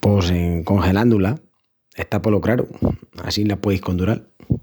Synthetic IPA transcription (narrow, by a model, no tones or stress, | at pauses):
po̞seŋko̞ŋxe̞lãnd̪ula | e̞st̪apo̞lokɾaɾṵa̰sinlapwe̞ðihko̞nd̪uɾal